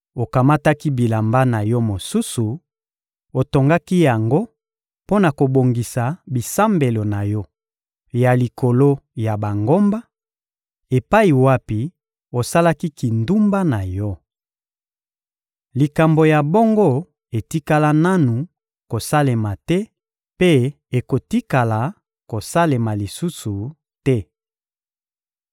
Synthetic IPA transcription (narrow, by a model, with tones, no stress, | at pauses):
o˨ka˨ma˦ta˦ki˦bi˨la˨mba˦na˨jɔ˦mo˨su˦su˨ | o˨to˨ŋɡa˦ki˦ja˨ŋɡo˦ | po˦na˨ko˨bo˨ŋɡi˨sa˨bi˨sa˦mbe˨lo˨na˨jɔ˦ | ja˨li˨ko˨lo˦ja˨ba˨ŋɡo˦mba˦ | e˨pa˦i˨wa˦pi˨ | o˨sa˦la˦ki˦ki˨ndu˦mba˦na˨jɔ˦ | li˨ka˨mbo˨ja˨bo˦ŋɡo˦ | e˨ti˦ka˦la˦na˦nu˨ | ko˨sa˦le˨ma˨tɛ˦ | pe˦ | e˨ko˨ti˦ka˨la˨ | ko˨sa˦le˨ma˨li˨su˦su˨ | tɛ˦